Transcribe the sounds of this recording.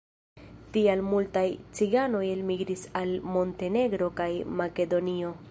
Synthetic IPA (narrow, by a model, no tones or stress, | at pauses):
tialmultajt͡siɡano̞jelmiɡɾisalmo̞nte̞ne̞ɡɾo̞kajmake̞do̞nio̞